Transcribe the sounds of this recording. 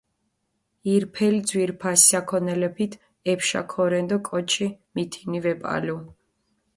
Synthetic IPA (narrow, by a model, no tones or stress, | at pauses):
iɾpʰɛlid̪zwiɾpʰassakʰɔnɛlɛpʰit̪ʰ | ɛpʃa̰kʰɔɾɛnd̪ɔkʼɔt͡ʃʰimit̪ʰinivɛpʼa̰lu